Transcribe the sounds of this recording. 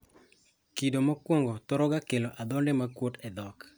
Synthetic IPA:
kidomakwoŋɡɔtɔɾɔɡakeloʔad̪ɔndɛmakwotɛd̪ɔk

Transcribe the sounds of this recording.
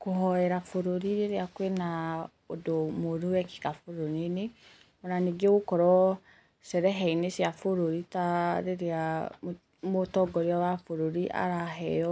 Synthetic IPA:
koɦɔɛɾafoɾoɾiɾeɾeakwena | odomoɾuwɛki̥kafoɾoɾene | ɔnaneɡeɣokɔɾɔ | sɛɾɛɦɛinesjafoɾoɾitaɾeɾea | motɔɡɔɾeɔwafoɾoɾiʔa̰ɾaɦɛɔ

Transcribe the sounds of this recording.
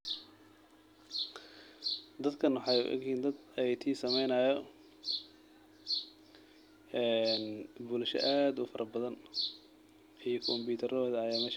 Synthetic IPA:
d̪ɐd̪kʰɐnwɑħɑjʊ̰ʔɛ̰ɡiːnd̪ɐd̪jt̪ʰiːsɐmɛjnɐːjɔ | ɛːnbʊːlʃɔ̰ʔaːd̪ʊfɐɾʔɐbɐðɐn | ijɔkʰɔmbuːt̪ʰɐɾɔːðɐjaːmɛʃ

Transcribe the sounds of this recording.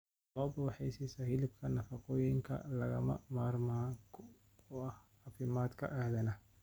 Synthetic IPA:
lɔːbɐwħɛjsɛsɐhɪlɪb̚kʰɐnɐfɑqɔːjɪŋkʰɐ̰lɐɣɐmɐ̰maːrmaːkʰ | ɔɐh | ɑfɪmaːd̪kʰɐ̰ʔahðɐnɐ

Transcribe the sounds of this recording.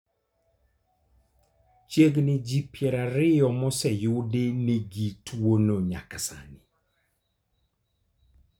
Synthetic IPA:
t͡ʃeɡnɪd͡ʒipjɛɾaɾɪjɔmɔsɛjʊdenɪɡitwonoɲa̰kasa̰nɪ

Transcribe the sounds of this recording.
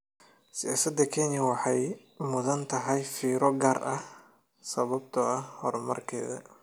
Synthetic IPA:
sɪjaːsɐd̪ɐkʰɛːnɪwɑħɑj | mʊðɐnt̪ʰɐɦɐjfiːɾɔɡaːrʔɐh | sɐβɐbt̪ʰɐɐhɔrmɐ̰rkʰɛ̰ːðɐ̰

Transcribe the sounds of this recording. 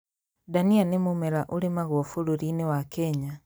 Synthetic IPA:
danianemumeɾaʔoɾemaɣwɔfoɾoɾinewakɛɲa

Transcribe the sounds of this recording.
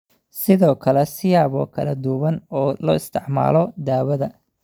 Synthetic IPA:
sɪðɔːkʰɐlɛsɪjaːβɔ̰ːkʰɐlɐd̪uβɐnɔːlɔːɪst̪ʰɪʕma̰ːlɔd̪aːwɐðɐ

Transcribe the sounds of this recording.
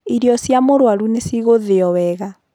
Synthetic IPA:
iɾiɔsjamoɾwaɾunesiɣoðeɔwɛɣa

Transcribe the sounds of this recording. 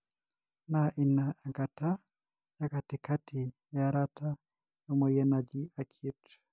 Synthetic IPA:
naʔinaaŋɡata | jakatikatʰi | jaɾata | jamɔjɛnad͡ʒiakʰit

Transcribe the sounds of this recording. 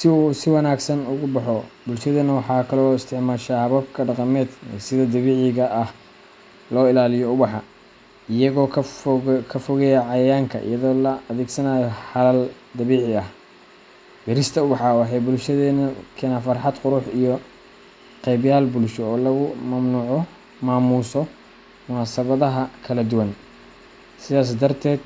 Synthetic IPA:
sɪuːsɪwɐnaːɡsɐnʊɣʊbɑħɔbʊlʃɐðɛːnɐwɑħɑːkʰɐlɔːɪst̪ʰɪʕmaːʃahɐβɐbkʰɐɖɑqɑmɛːd̪sɪðɔd̪ɐβiːʕɪɣɐʔːh | lɔːɪlaːlɪjɔʊbɑħɑ | ɪjɐɣɔːkʰ | kʰɐfɔɣɛjɛʕɑjɐjaːŋkʰɐ̰ʔɪ̰jɐðɔːlɐɐðɛːɡsɐnaːjɔħɑlɐl | d̪ɐβiːʕɪɐh | bɛɾɪst̪ʰɐʊbɑħɑwɑħɑjbʊlʃɐðɛːnɐkʰɛːnaːfɑrħɑd̪qʊɾʊħijɔ | qɛjbjaːlbʊlʃɔɔːlɐɣʊmɐmnuːʕɔ | maːmuːsɔ | mʊnaːsɐβɐðɐɦɐkʰɐlɐd̪ʊwɐn | sɪðaːs̬d̪ɐrt̪ʰɛːd̪̥

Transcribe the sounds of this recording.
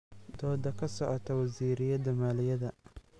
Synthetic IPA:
d̪ɔːd̪ɐkʰɐsɔʕɔt̪ʰɐwɐziːɾɪjɐd̪ɐmaːlɪjɐðɐ

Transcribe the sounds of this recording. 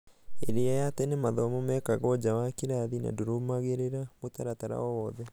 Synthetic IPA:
ḛɾeajatɛnemaðɔmomɛkaɣɔd͡ʑawakiɾaðina̰doɾomaɣeɾeɾamotaɾataɾa̰ɔwɔðɛ

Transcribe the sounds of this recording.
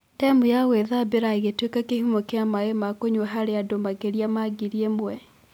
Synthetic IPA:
tɛmujaweðabeɾaiɣetwekakehumokeamaɣemakoɲwɛɦaɾeadomaɣeɾiamaɡiɾiemwɛ

